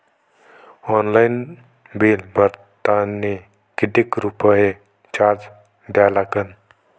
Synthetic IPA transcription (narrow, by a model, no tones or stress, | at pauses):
ɔːnlaɪn | biːlbəɾt̪ane | kɪɖ̪ikɾupəe | t͡ʃaːɾd͡ʒ | d̪aːlakən